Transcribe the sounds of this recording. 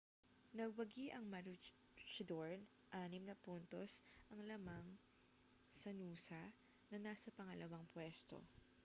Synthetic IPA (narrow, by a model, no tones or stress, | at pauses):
nɐɡ̚wɐɡiʔɐŋmɐɾu | t͡ʃɪd̪oɹn | ʔaːnɪmnɐpunt̪o̞sʔɐŋlɐmɐŋ | sɐnuːsɐ | nɐnaːsɐpɐŋɐlɐwaŋpwɛst̪o̞̰